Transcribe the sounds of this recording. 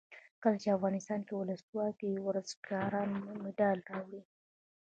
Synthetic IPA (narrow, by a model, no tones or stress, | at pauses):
kəlat͡ʃeafɣɑnɪst̪ɑnkewʊləswɑkewɾazɡɑɾɑnmɪɖajlrɑwɽi